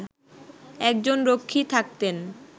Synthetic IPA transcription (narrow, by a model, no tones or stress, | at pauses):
ɛk̚d͡ʑonɾokʰːit̪ʰak̚t̪en